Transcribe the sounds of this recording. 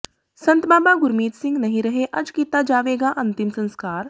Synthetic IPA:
sɐ̃nt̪baːbaɡʊɾmiːt̪sɪ̃ŋɡnɐɦĩɾɐɦeʔɐd͡ʒkiːt̪ad͡ʒaːʋeːɡaʔɐ̃nt̪ɪmsɐ̃nskaːɾ

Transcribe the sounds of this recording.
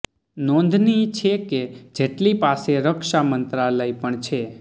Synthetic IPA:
nõnd̪ʱnit͡ʃʰeked͡ʒeʈlipaseɾəkʃamənt̪ɾaləipəɳt͡ʃʰe

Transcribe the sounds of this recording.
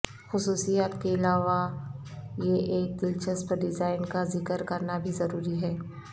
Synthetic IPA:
xʊsuːsijaːt̪keɪlaːʋa | jeʔeːk̚d̪ɪlt͡ʃəspɐɾɖɪzaːɪnkazɪkəɾkɐɾnabʱizɐɾuːɾiɦɛː

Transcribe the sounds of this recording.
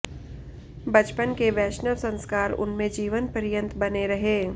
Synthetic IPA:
bɐt͡ʃpənkeʋɛːʃnəlsə̃nskaːɾʊ̰nmẽd͡ʒiːʋənpəɾjə̃nt̪bɐneɾɐɦeː

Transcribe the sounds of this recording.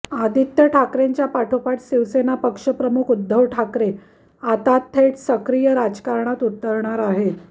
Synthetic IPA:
ad̪it̪jəʈʰakɾeɲt͡ɕjapaʈʰopaʈɕiʋsenapəkʂəpɾəmukʰud̪ʱːəʋʈʰakɾe | at̪at̪ʰːeʈsəkɾijəɾad͡zkaɾɳat̪ut̪ːəɾɳaɾaɦe

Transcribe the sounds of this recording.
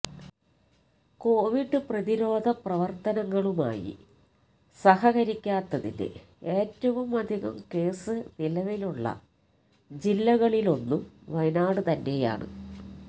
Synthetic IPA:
ko̞ːʋiɖːɨprɐðiɾo̞ːd̪ʱɐprɐʋɐrt̪ɐnɐŋːɐɭuma̰ːjḭ | sɐhɐɣɐɾikʲːaːt̪ːɐðḭnɨ̰ | eːtːɐʋumɐd̪ʱiɣɐ̰mke̞ːsɨʋilɐʋiluɭːɐ̰ | d͡ʑilːɐɣɐɭilo̞nːumʋɐjnaːɽɨt̪ɐnːe̞ja̰ːɳɨ̰

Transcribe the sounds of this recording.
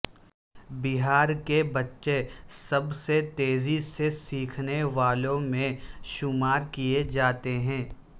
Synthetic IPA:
bɪɦaːɾkebɐtːʃesɐbset̪eːzisesiːkʰneʋaːlõmẽʃʊmaːɾkijed͡ʒaːt̪eɦɛ̃ː

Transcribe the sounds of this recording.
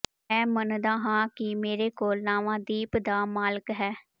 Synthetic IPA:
ɛ̃ːmənd̪aːɦãːkɪmeːɾeːkoːlnaːʋãːd̪iːpd̪aːmaːləkɦɛː

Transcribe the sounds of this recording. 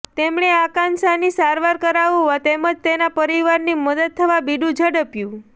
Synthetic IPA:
t̪emɳ̃eakãnsanisaɾʋaɾkəɾaʋũʋat̪eməd͡ʒt̪enapəɾiʋaɾniməd̪ət̪̚t̪ʰːəʋabiɖũd͡ʒʱəɽəpjũ

